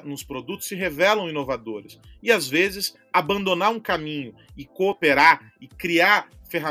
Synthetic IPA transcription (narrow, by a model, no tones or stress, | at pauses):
nʊspɾod̪ut̪ʊ̥sːɪɦevɛlɐ̃w̃ĩnovad̪oɾɪsɪazvezɪs | abɐ̃nd̪onaɾũkamĩɲʊɪkoːpeɾaɾ | ɪkɾiaɾfeɦa